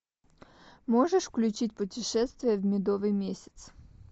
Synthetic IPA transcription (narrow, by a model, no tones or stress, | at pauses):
moʐəʂfklʲʉt͡ɕitʲpʊtʲɪʂɛst̪vʲɪjəvʲmʲɪd̪ovɨjmʲesʲɪ̥t̪s